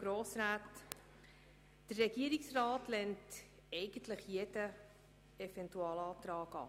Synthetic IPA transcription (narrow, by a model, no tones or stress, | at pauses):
ɡ̥ɾoːsɾaːt | d̥ərːɛɡ̥iəɾiksrɑːtlɛnt | ɛɪɡ̥ən̩tləχjedə | ɛfɛntuɑːlɑːtɾɑːkɑ̰ː